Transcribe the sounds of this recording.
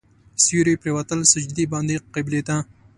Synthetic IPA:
sjuɾipɾewat̪əlsəd͡ʒd̪ibɑnd̪iqqːeblet̪a

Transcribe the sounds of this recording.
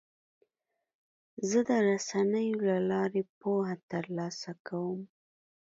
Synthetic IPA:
zəd̪əɾasanəjolalɑɾepohat̪əɾlɑsakawəm

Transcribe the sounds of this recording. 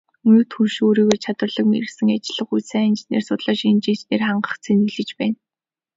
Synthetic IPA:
nŭt̪xuʃoːɾiːɣoːt͡ɕʰat̪wərɮə̆kmeɾɘ̆sɘ̆ŋat͡ɕɪ̆ɮə̆χujt͡sæːnt͡ɕnḛːrsʊt̪ɮaːʃent͡ɕĭːnt͡ɕneːrχaɴɢə̥̆χt͡sʰenɡɘ̆ɮɘ̆t͡ɕpæːn

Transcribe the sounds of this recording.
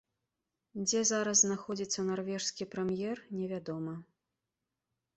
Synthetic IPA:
d͡zʲɛzaɾɐzznaxɔd͡zʲit̪sːɐnarvʲɛʂskʲipɾɛmjɛrnʲɛvʲad̪ɔmɐ

